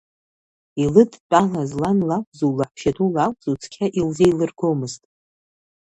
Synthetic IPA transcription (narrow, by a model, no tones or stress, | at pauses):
ilɨdʰʼt͡pʼalazlanlakʷʰʼzuwlaħʰʃatʰulakʷʼz̥ut͡sʰkʲʰaʔilzejlɨrɡʰomɨztʼ